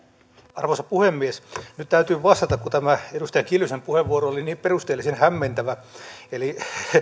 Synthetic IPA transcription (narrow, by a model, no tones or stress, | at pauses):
ɑrʋosɑpuhemːiesnyt̪t̪æyt̪yːʋɑst̪ɑt̪ɑkut̪æmæedust̪ɑjɑŋkilysempuheʋːuoɾooliniːpperust̪eːlːˑisenhæmːent̪æʋæeli